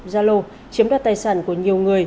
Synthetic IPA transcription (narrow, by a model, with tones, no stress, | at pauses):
zaː˧lo˧ | t͡ɕi˨˦əmɗaː˧˩t̪aː˧˩jsaː˧˩nku˧˩əɲi˨˩əwŋɨ˨˩əj